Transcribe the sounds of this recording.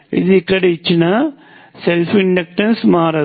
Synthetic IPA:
ɪ̰ðkːɐɽɐjt͡ʃːɯnaː | sɛlfɪɳɖɐk̚ʈɐnsmaːɾɐ

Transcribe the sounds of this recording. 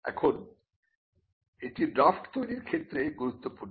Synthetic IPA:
ɛ̰kʰon | eʈiɖɾafʈt̪ojɾiɾkʰet̪ːɾeɡuɾut̪ːopuɾnː

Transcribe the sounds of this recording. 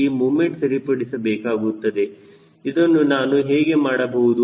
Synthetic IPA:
imuːme̞ɳʈsɐɾipɐɽisɐbɛːkaːɡut̪ːɐd̪e̞ | id̪onːunaːnuɦeːɡe̞maːɽɐbɐɦud̪u

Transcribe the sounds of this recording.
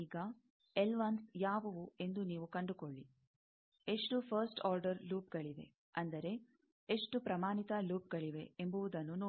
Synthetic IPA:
iːɡɐ | elʋaːnsjaːʋɐʋue̞nd̪uniːʋukɐɳɖukoɭːi | e̞ʂʈupʰɐɾsʈɔːɾɖɐɾluːp̚ɡɐɭiʋ̪e̞̰ | ɐnd̪ɐɾe̞ | eʂʈupɾɐmaːnit̪ɐluːp̚ɡɐɭiʋe̞embuʋud̪ɐnːunoː

